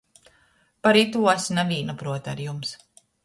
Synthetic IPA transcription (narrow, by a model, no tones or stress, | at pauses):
paɾit̪uɔsnaviːnapɾuɔt̪aɾjums